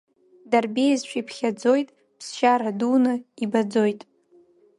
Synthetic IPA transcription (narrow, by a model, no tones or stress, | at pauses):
darbejzʃʷʰipʰχʲad͡zo̞jtʼ | pʰsʃaɾadunɨibad͡zo̞jtʼ